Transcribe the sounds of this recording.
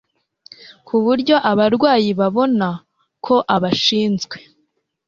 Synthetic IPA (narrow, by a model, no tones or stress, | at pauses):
kuβuɾɟo̞ʔaβaɾɡwaːjiβaβo̞na | kʰo̞ʔaβaʃiːnzɡwe̞̥